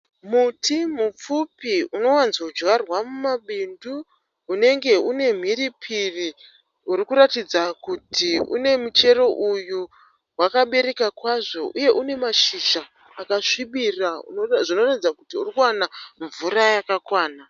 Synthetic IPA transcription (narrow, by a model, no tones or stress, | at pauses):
mutimup͡fupiuno̞wanzoud͡ʒwarwamumaɓinduː | ne̞ŋɡe̞une̞m̤iripʰiri | urikuɾatid͡zakutiṵne̞mut͡ʃe̞ɾo̞ʔuju | wakaɓe̞ɾe̞kakwaʐo̞ʔuje̞ʔune̞maʃiʒaː | kaʂiɓirauʐino̞ratid͡zakutiurikuwanaɱvuɾajakakwaːna